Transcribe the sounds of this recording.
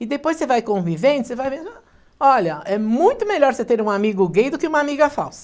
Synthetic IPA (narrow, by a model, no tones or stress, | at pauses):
iðɨpojʃsevajkõvivẽnt̪sevajpẽsa | ɔʎɐɛmũj̃t̪ʊmeʎɔɾset̪eɾũamiɣʊɣejðʊkɪumamiɣɐfa̰wsɐ̥